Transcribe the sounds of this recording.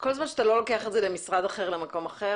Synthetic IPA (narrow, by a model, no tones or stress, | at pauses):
ko̞lzmanʃeat̪alo̞lo̞keaχetzelemisʁad̪aχe̞ʁlemako̞maχe